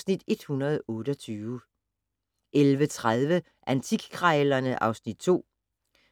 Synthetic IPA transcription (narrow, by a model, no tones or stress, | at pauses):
snid̥e̝d̥hunɐð̞̩ˠɔ̽ːɾ̥əɒt͡sʰyːə | ʔelʋət͡sʰʁað̞ˠʋə | ʔænt͡sʰiɡ̥kʰʁɑlɐnəʔɑ̈ʊsnid̥̚t͡sʰo̝̰ː